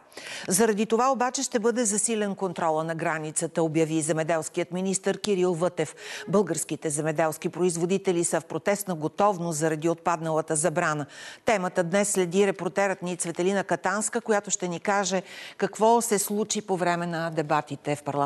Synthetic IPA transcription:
zɐɾɐd̪it̪ovaobat͡ʃɛʃt̪ɛbɤd̪ɛzɐsilɛnkont̪ɾɔlˠənɐɡɾanit̪sət̪əobjəvizɛmɛd̪ɛlˠsk̟ijət̪minist̪əɾkiɾilˠvɤt̪ɛfbɤlˠɡəɾskit̪ɛzɛmɛd̪ɛlˠsk̟ipɾoizvod̪it̪ɛlisəfpɾot̪ɛst̪nɐɡot̪ɔvnost̪zɐɾɐd̪iot̪̚pad̪nəlˠət̪əzɐbɾanət̪ɛmət̪əd̪nɛsːlɛd̪iɾɛpoɾt̪ɛɾət̪nit̪svɛt̪ɛlinəkɐt̪anskəkojat̪oʃt̪ɛnikaʒɛkɐkvɔsɛslˠut͡ʃipovɾɛmɛnɐd̪ɛbat̪it̪ɛfpɐɾlˠ

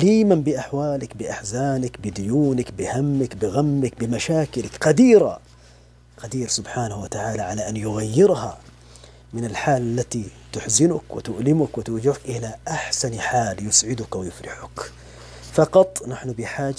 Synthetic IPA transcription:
ʔliːmanbɪʔaħwaːlɪkbɪʔaħzaːnɪkbɪd̪ʊjuːnɪkbɪhamːɪkbɪɣamːɪkbɪmaʃaːkɪlɪkqad̪iːɾa̰ | qad̪iːɾsʊbħaːnahwat̪aʕaːlaʕalaʔanːjʊɣajːɪɾha | mɪnalħaːlalːat̪it̪ʊħzɪnʊkwɪ̰t̪ʊʔlɪmʊkwɪt̪ʊɾd͡ʒɪʕkʔɪlaʔaħsanħaːljʊsʕɪd̪ʊkwɪjʊfɾɪħʊk | fɑqɑt̪ˤnaħnʊbɪħaːd͡ʒ

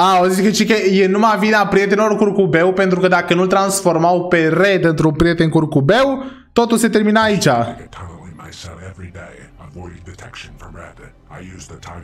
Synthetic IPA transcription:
aozisket͡ʃikejenumavinapɾie̞t̪enelorkurkube̞wpe̞nt̪ɾukəd̪akənult̪ɾansfo̞rmawpe̞re̞d̪ɨnt̪ɾunpɾije̞t̪e̞nkurkube̞wt̪o̞t̪ulse̞t̪e̞rminaːit͡ʃapʰaə̃nlimaɪsɛɛvɹideɪəvɔɪɪ̃ŋdɨtʰɛkʃnfə˞ɹɛ̰d | aɪjʉzətʰãɪ̃

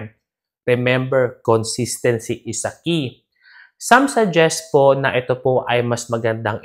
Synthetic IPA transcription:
ɾɛmɛmbɛɹkonsist̪ɛnsiʔɪsɐki | sɐmsɐd͡ʒɛst̚po̞nɐʔɛt̪o̞po̞ʔɐjmɐsmɐɡɐnd̪aŋ

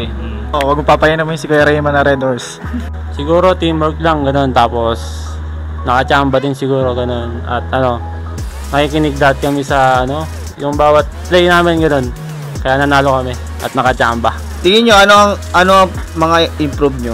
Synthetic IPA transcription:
ʔowɐɡʊpaːpɐjinɐmɪnsɪkɐjɾɐɪmɐnɐɾɛd̪oɹs | sɪɡuːɾo̞t̪imboɹklɐŋɡɐno̞nt̪aːpo̞s | nɐkɐt͡ʃaːmbɐd̪ɪnsɪɡuːɾo̞ɡɐno̞nɐ̰t̪̚ʔɐno̞ | nɐkiːkɪnɪɡ̚d̪at̪̚kɐmɪsɐɐno̞ | jʊŋbaːwɐt̪̚plɛjnaːmɪnɡɐno̞n | kɐjanɐnaːlo̞kɐmɪ | ʔɐ̰t̪̚nɐkɐt͡ʃaːmbɐ | t̪ɪɡɪɲo̞ʔɐnoɐŋʔɐnoɐŋ | mɐŋaɪmpɾubɲo

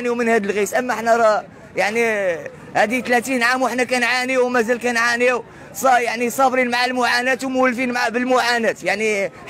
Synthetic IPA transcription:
niwmənhæd̪əlɣisʔəmːæʔəħnæɾˤɑ | jaʕni | hæd̪it̪læt̪inʕamwəħnækænʕaniwmæzælkænʕaniw | sˤɑjaʕnisˤɑfɾinmaʕalmʊʕanæt̪wmʊwəlːfinmaʕabəlmʊʕanæt̪jaʕni

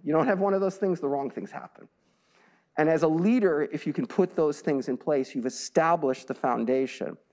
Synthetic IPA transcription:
jɨɾõʊ̃nhɨvwʌ̃ñʌvðoʊz̥θɪ̃ŋzðəɹɔ̃ŋθɪ̰̃ŋz̥hæ̰pə̃n̩ | ʔɨ̃nɨzəliɾə˞ɨfjɨkʰɨ̃npʰʊt̪̚ðoʊz̥θɪ̃ŋzɨ̃npʰl̥eɪsjʉvɨstæbləʃðɨfãʊ̃ndeɪʃɨ̰̃n

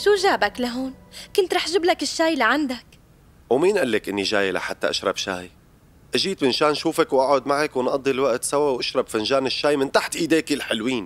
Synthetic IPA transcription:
ʃuːʒaːbaklaɦoːnkʊnt̪ɾˤɑːħʒɪblakɪʃːaːjliʕand̪ak | wmiːnʔalːakʔɪnːiʒaːjla̰ħat̪ːa̰ʔa̰ʃɾˤɑbʃa̰ːj | ʔaʒiːt̪mɪnʃaːnʃuːfakwʔaʕʊd̪maʕakwɪnʔɑd̪ˤːilwaʔt̪sawawʔaʃɾˤɑbfanʒaːnɪʃːaːjmɪnt̪aħt̪ʔiːd̪eːkilħɪlwiːn

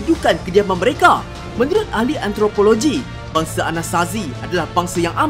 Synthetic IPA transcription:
d͡ʒukankədiamanməɾeka | mə̃nuɾʊt̪̚ahliʔant̪ɾopoloɡi | baŋsaanast̪aziadalahbaŋsajaŋʔam

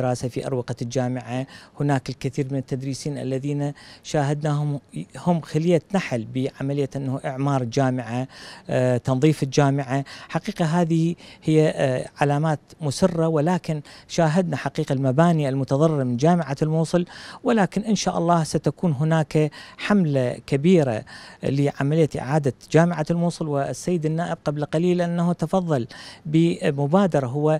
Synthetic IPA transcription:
ɾaːsafiʔɑ̰ɾˤwɪqald͡ʒaːmɪʕahʊnaːkɪlkɪθiːɾmɪnɪt̪ːad̪ɾiːsiːnʔa̰lːaðiːnaʃaːɦad̪̚nahʊmːxalɪjːat̪naħalbiʕamalɪjːaʔɪnːahuʔɪʕmɑːɾˤld͡ʒaːmɪʕa | t̪ɑnðˤiːfɪld͡ʒaːmɪʕaħaqiːqaɦaːðɪhɪjːaʕalaːmaːt̪mʊsɪrˤːawɪlaːkɪnʃaːɦad̪naħaqiːqalmabaːnialmʊt̪ɑðˤɑrˤːɪɾmɪnd͡ʒaːmɪʕalmuːsˤɨlwɪlaːkɪnʔɪnʃaːʔɑ̰lˤːɑːhsat̪akuːnɦʊnaːkaħamlakabiːɾa̰lɪʕamalɪjːaʔɪ̰ʕaːd̪ad͡ʒaːmɪʕalmuːsˤɨlwɪsːajːɪd̪ɪnːaːʔɪb̚qablqaliːlʔanːahut̪ɑfɑðˤːɑlbɪmʊbaːd̪ɑɾˤɑɦʊwːa

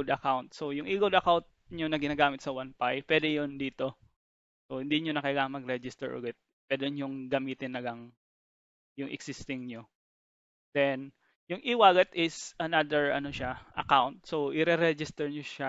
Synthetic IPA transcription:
d̪ɐkawnt̪̚sojʊŋʔiɡʊd̪ɐkawnt̪̚ɲonɐɡɪnaːɡaːmɪt̪sɐwanpajpwɛd̪ɛjond̪iːt̪o̞ | sohɪnd̪iɲonɐkɐjɐɡaŋmɐɡɾɛd͡ʒɪst̪ɛɹʔʊ̰ɡɛt̪̚ | pwɛd̪ɛɲjʊŋɡɐmiːt̪ɪnɐɡɐŋ | jʊŋʔɛ̰ksɪst̪ɪŋɲo | d̪̥ɛn | jʊŋʔɪwaːɡɐt̪ʔɪsɐnad̪ɛɹʔɐ̰no̞ʃaʔɐ̰kawnt̪̚soʔɪɾɛɾɛd͡ʒɪst̪ɛɹɲoʃa

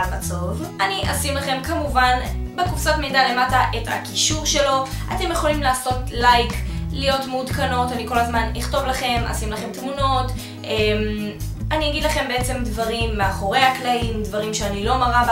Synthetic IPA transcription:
mat͡so̞vaniʔasimlaχe̞mkamuvanbe̞kufsatmejdale̞mataʔetha̰kiʃuʁʃe̞lo̞ʔate̞mjeχolimlaːso̞tlajklijo̞tmudkano̞taniko̞lazmaniχto̞vlaχe̞ma̰simlaχe̞mtmuno̞t | ʔemaniaɡid̪laχe̞mbe̞et͡se̞mdvaʁimːeaχo̞ʁe̞jhaklaimdvaʁimʃeanilo̞maʁav

